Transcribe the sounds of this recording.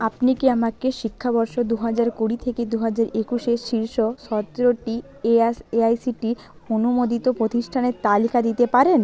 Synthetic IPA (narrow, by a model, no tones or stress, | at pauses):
apnikiamakeʃikʰːabɔɾʃod̪uɦad͡ʑaɾkuɽit̪ʰeked̪uɦad͡ʑaɾekuʃeʃiɾʃoʃɔt̪ːɾoʈi | eseajsiʈi | onumod̪it̪opɾot̪iʃʈʰaneɾt̪alikad̪it̪epaɾen